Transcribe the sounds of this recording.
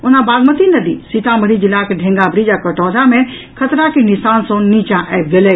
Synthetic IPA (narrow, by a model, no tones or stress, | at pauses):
ʊnãbaːɡmət̪inəd̪ḭsit̪aməɾid͡ʒɪlːakeɖʱẽːŋɡabɾid͡ʒakəʈɔːd͡ʒamẽ | kʰət̪ɾakinɪsaːnsõnːit͡ʃãʔɛb̚ɡeleː